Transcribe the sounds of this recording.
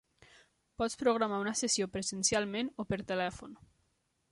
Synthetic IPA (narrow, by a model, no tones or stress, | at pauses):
pɔt͡spɾuɣɾamaunəsəsiopɾəzənsjalˠmenopəɾt̪əlɛfon